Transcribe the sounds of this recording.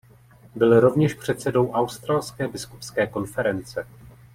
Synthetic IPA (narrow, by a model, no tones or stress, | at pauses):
bɪlɾo̞vɲɛʃpr̝̥ɛt̪sɛdo̞wʔawst̪ɾalskɛːbɪskupskɛːko̞nfɛɾɛnt͡sɛ